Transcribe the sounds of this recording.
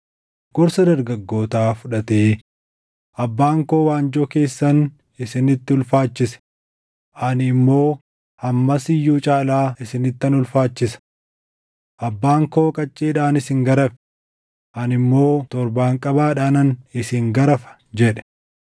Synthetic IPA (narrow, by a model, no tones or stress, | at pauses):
ɡ̥ɔɾsɐd̪ɐɾɡɐɡːo̞ːt̪aːfʊᶑɐt̪eː | ʔɐbːaːŋko̞ːwaːnd͡ʒɔke̞ːsːɐn | ɪsɪnɪt̪ːɪʊlfaːt͡ʃːɪsɛ̥ | ʔɐnɪmːo̞ː | hɐmːɐsɪjːuːt͡ʃʼaːlaːɪsɪnɪt̪ːɐnʊlfaːt͡ʃːɪsɐ̥ | ʔɐbːaːŋko̞ːkʼɐt͡ʃʼːeːᶑaːnɪsɪŋɡɐɾɐfɛ̥ | ʔɐnɪmːo̞ːt̪ɔɾbaːŋkʼɐbaːᶑaːnɐnɪsɪŋɡɐɾɐfɐ̥ | d͡ʒɛᶑɛ̥